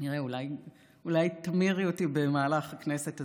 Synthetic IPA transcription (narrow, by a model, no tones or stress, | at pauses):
niʁeulaj | ulajt̪amiʁiotibe̞maːlaχakneset̪a